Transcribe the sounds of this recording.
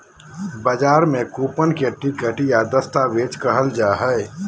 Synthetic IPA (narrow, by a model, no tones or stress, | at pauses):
bəd͡ʒaːɾmẽkuːpənkeʈikəʈjad̪əst̪aʋeːd͡ʒkəɦəld͡ʒaːɦə